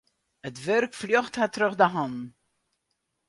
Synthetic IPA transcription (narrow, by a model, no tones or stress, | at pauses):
ətvɛɾkflɔχthatɾəχdəɦɔn